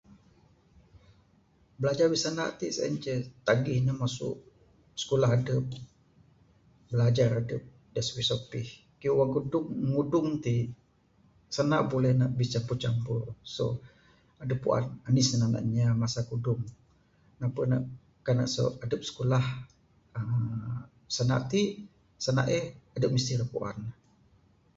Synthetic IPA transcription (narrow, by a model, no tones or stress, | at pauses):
bəlad͡ʒarbisana̰ʔt̪isa̰nt͡ʃət̪aɡɪhɲamasʊ̰ʔ | sə̥kulaɦadəp̚ | bəlad͡ʒaradəp̚ | daswisopɪh | kijuwaŋkudʊŋːudʊŋt̪i | sanaʔbolɛhnaʔbit͡ʃampurt͡ʃampurso̰ | adəpːṵʔa̰nanɪsənaʔna̰ʔɲamasakudʊŋ | napəna̰ʔ | kana̰ʔso̰adəp̚sə̥kulah | ə | səna̰ʔt̪iʔ | səna̰ʔehadəp̚mist̪iɾəpṵʔa̰n